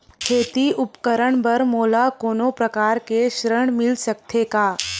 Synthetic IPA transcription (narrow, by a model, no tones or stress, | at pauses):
kʰeːt̪iʔʊpkəɾəɳbəɾmoːlakoːnopɾəkaːɾkeʃɾəɳ̃mɪlsək̚t̪ʰekaː